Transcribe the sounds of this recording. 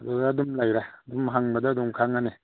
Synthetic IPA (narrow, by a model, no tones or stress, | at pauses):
ɐdudːdumlajɾaːdumɦaŋbɐdɐːdumkʰaŋane